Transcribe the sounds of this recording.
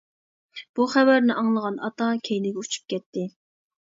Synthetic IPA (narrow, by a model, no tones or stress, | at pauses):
b̥uχævæɾnɪʔɑŋlˠəʁɑnɑt̪ɑkʲʰejlɪɡʲɛut͡ʃʰu̥p̚kʲɛt̪ʰːɪ